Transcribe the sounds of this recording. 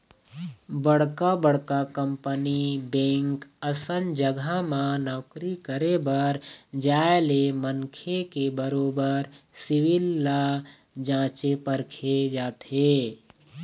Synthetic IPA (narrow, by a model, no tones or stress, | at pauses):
bəɽkabəɽ̤kakə̃mpənibẽːŋkəsənd͡ʒəɡʱamãnɔːkɾikəɾebəɾd͡ʒaːelemənkʰekebəɾoːbəɾsɪwɪlːa | d͡ʒãːt͡ʃepəɾkʰed͡ʒaːt̪ɦeː